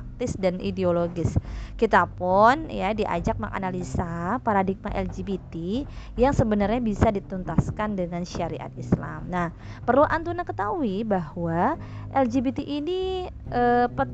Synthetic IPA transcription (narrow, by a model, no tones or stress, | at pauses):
ak̚t̪ɪsdanʔḭdeoloɡɪskit̪apʊnjadiʔa̰d͡ʒak̚maŋa̰nalisapaɾadik̚maʔɛld͡ʒibit̪ijaŋsəbənarɲabisadit̪unt̪askandəŋanʃaɾḭʔa̰t̪̚isla̰mnah | pərluʔant̪unakət̪auibahwa | ʔɛld͡ʒibit̪iʔiniəpə